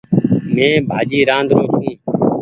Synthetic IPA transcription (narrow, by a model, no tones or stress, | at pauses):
mẽːbʱaːd͡ʒiːɾãːnd̪ʱɾoːt͡ʃʰũː